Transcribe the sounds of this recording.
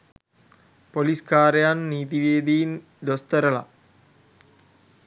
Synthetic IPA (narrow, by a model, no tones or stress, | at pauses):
poliskaːɾɐjaːnniːt̪̬iʋeːd̪iːn | d̪ost̪ɐɾɐɭa̰